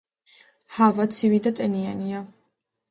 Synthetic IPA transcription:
havat̪sʰivid̪at̪ʼɛniania

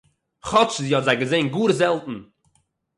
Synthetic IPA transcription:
χɔt͡sziːɔtzaɪɡəzeɪnɡuːɾzɛlˠtn̩

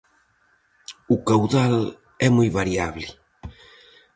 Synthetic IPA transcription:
ukawðal | ɛmujβaɾjaβli

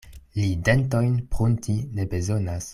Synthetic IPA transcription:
lide̞nto̞jnpʁuntʰine̞be̞zo̞nas

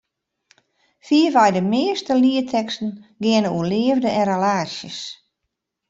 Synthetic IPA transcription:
fiəvɛjdəmɪəstəliətʰɛkstən̩ɡɪənəuəlɪəvdəʔɛnrəlaːsjəs

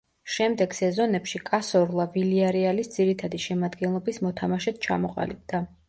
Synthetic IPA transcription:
ʃɛmd̪ɛɡ̥sɛzɔnɛpʃikʼasɔɾlˠaviliaɾialisd̪z̥iɾit̪ʰad̪iʃɛmad̪ɡɛnlˠɔbismɔt̪ʰamaʃɛt̪̚ʰt͡ʃʰa̰mɔqʼa̰lib̚d̪a

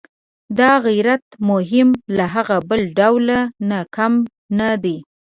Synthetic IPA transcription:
d̪ɑɣijɾat̪mʊɦɪmlaɦaɣabəlɖawlanakam | nad̪e

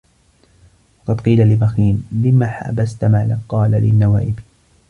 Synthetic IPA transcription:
wɑqɑd̪qiːlalɪbaxiːnlɪmːaːħa̰bast̪maːlaqːɑːlalɪnːawa̰ːʔɪb

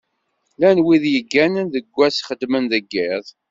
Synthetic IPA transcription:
lænwiðjəɡːænənðəɡʷːæsχəd̪mənðəɡːɪðˤ

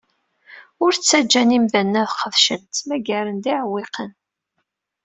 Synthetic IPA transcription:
ʊɾt͡sːæd͡ʒːænimðænːæðqəðʃənt̪mæɡæɾənd̪iʕwːɪqən

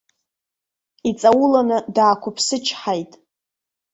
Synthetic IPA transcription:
it͡sʼawʊlanɨdaːkʷʰʊpʰsɨt͡ʃʰħajtʼ

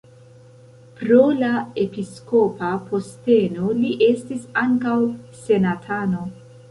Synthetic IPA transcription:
pɾo̞lae̞pisko̞papʰo̞ste̞no̞liʔe̞stisaŋkawse̞natʰano̞

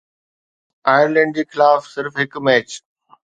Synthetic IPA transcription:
aːɪəɾlɛ̃ɳɖ̚d͡ʑiːxɪlaːfsɪɾfɦɪkmɛːt͡ɕ

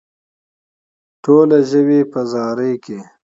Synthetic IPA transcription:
ʈoːlaʒəwepəzɑːɾəjke

